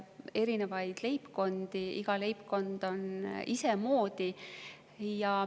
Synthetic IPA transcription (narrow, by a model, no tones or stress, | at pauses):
e̞ɾine̞vɑjd̪̥le̞jpko̞nd̪̥iḭɡ̥ɑle̞jpko̞nd̪̥o̞nise̞mo̞ːd̪̥i | jɑ